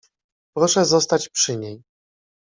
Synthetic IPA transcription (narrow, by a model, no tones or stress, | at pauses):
pɾɔʂɛzɔst̪at͡ɕpʂɘɲej